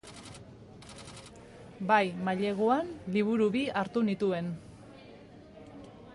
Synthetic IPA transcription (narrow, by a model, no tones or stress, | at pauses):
bajmaʎe̞ɣoanliβ̞uɾuβiaɾt̪unit̪ue̞n